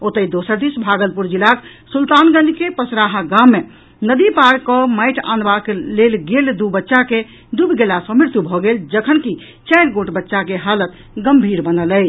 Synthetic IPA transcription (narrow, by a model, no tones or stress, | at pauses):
ot̪əid̪osəɾd̪isbʱaɡəlpuɾd͡ʒilak | sult̪anɡənikepəsɾaɦaɡamːe | nəd̪ipaɾkːɔmaɪʈʰã̰nbaklelɡeld̪ubətːʃake | d̪ubʱɡelasɔ̃miɾt̪jubʱɔɡeld͡ʒəkʰənki | t͡ʃajɾɡoʈbətːʃakeɦalət̪ | ɡəmbʱiɾbənələ